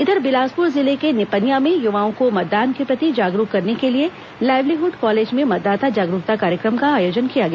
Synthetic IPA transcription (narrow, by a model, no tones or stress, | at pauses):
ɪd̪əɾbɪlaːspʊɾzɪlekenɪpənjamẽjʊʋaːõkomɐt̪̚ːaːnkepɾɐt̪id͡ʒaːɡɾukːɐɾnekelie | laːɪʋliɦʊɖkɔːleːd͡ʒmẽmɐt̪̚d̪aːt̪ad͡ʒaːɡɾuːt̪akaːɾjəkɾəmkaaːjoːd͡ʒənkijaɡɐja